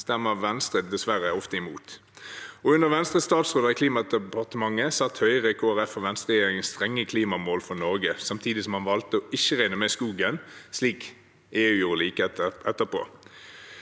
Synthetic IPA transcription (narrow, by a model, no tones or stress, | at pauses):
st̪ɛmːəʋɛnst̪ʁəd̪d̪ɛsʋæʁəɔft̪əɪmuːt̪ | ɔʉnəʁʋɛnst̪ʁəst̪ɑːt̪sʁoːd̪əʁɪkʰliːmɑd̪əpɑʁt̪əmɑŋːəsɑt̪hœʏʁəkʰoːæʁɛfɔʋɛnst̪ʁɛjeːʁɪŋənst̪ʁɛŋːəkʰliːmɑmoːlfɔnɔʁɡəsɑmt̪ʰiːd̪ɪsɔmhɑnʋɑlt̪əɔɪçəʁæɪnəmɛskuːɡənsliːk | eːʉːjuːʁəliːkəɛt̪əɛt̪ːəʁpʰo̰ː